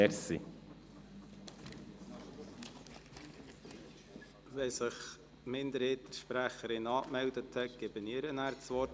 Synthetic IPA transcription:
ɛɾsḭ | vɛsɪχ | mɪnd̪əɾeːt̪əʃpɾæχəɾɪnɑːkmɛldəthɛt̚ɡ̥ɛbəniːɾənæːɾtsʋɔt

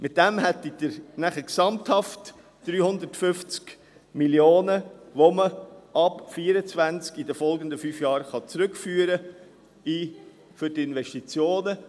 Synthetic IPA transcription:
mɪt̚d̥ɛmɦɛt̪ːidəɾnæχəksɑmthɑft | d̥ɾyːhʊnd̪ətfʏft͡sk | miljoːnəʋoməɑpfiːəɾət͡svænt͡skidəfɔlɡəndəfyːfjɑːɾχɑt͡sɾʏkfyːəɾə | iː | fʏɾtɪnʋɛʃtit͡sjoːnə

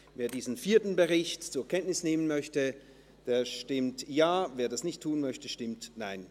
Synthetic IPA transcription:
veːɐdiːznfiːɐtn̩bəʁɪçtt͡suːɐkʰɛntnɪsneːmənmœçtə | d̥eːɐʃtɪmtjaːveːɐdasnɪçtʰːuːnmœçtəʃtɪmtnaɪn

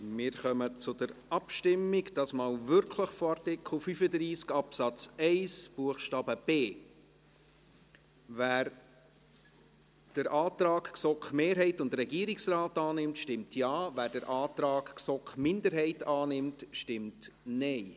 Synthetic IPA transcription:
mɪːɾχœmət͡sʊd̥əɾɑpʃtɪmːɪɡd̥ɑsmɑːlvʏɾkʰləχfoɑrtɪkʰl̩fyfədɾiːskɑpsɑt͡sɛɪsb̥uəχʃtɑːb̥əb̥eː | væːɾ | d̥əɾʔɑːtɾɑːkksɔkχmeːɾɦɛɪtʊndɾɛɡiəɾiksraːtɑːnɪmtʃtɪmtʰjɑːvæːɾdəɾʔɑːtɾɑːkksɔkχmɪndəɾɦɛɪtɑːnɪmtʃtɪmtnɛɪ

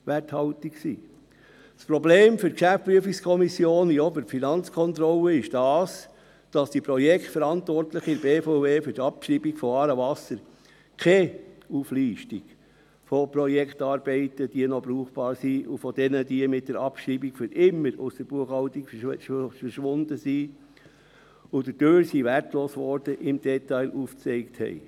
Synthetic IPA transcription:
ʋæthɑltiksḭː | spɾɔbleːmfʏɾtkʃæftpɾyəfikskʰɔmisjoːniɔbəɾfinɑnt͡skʰɔnt̪ɾɔlːəɪʃd̥ɑːs | d̥ɑsd̥ipɾɔjɛkχtfəɾɑntʋɔrtləχɪɾb̥eːfoʊveːfʏɾtɑpʃiːbikfɔɑːɾəvɑsəɾ | kʰeufliːʃtiɡ̥ | fɔpɾɔjɛkχtɑːɾb̥ɛɪtəd̥iənɔbɾuːχb̥ɑːɾsiufɔd̥ɛnədiəmɪt̚d̥ɛɾɑpʃiːbikfʏɾʔɪmːəɾʊ̰sd̥əɾb̥uəχhɑlt̪ikffəɾʃʋʊnd̪əsi | ʊd̥ədøːɾsiværtloːsʋɔɾd̥əʔɪmd̥ɛt̪ɑɪlʔuːft͡sɛɪkthɛ̰ɪ

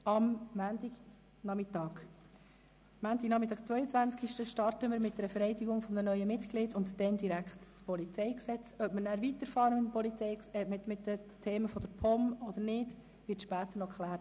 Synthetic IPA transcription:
ɑmːæːndiɡ | nɑmɪtɑːɡ̥ | mæːndɪɡnɑmɪtɑːɡ̥t͡svœʏət͡sʋænt͡skiʃtəʃtɑɾtəməɾmɪt̚d̥̪ɛɾəfɛɾɛɪdiɡʊŋfɔmdənœʏəmɪtɡlɪdʊntd̥ɛndiɾækχtːt͡spɔlit͡sɛɪksɛt͡sœpmənæɾvitəɾfɑːɾəmɪdpɔlit͡sɛɪksɛmɪtmɪtdətʰeːməfɔd̥̪əɾpʰɔmɔd̪əɾnɪd | vɪɾtʃpæːt̪ənɔkχlæːɾt

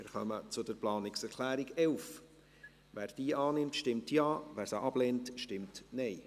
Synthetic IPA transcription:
mɪɾχœmət͡sʊdəɾplɑːnɪksɛɾkʰlæːɾiɡɛlf | væːɾd̥iːʔɑːnɪmtʃtɪmtjɑːvæːɾsaʔɑb̥lɛːntʃtɪmtnɛɪ

